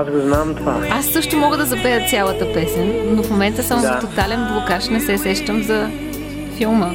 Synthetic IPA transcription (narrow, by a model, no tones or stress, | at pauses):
asɡoznamt̪vaasːɤʃt̪omɔɡəd̪ɐzɐpɛjət̪sʲjalˠət̪əpɛsɛnːofmomɛnt̪əsamot̪ot̪alɛnblˠokaʃnɛsɛsɛʃt̪əmzɐ | filˠmə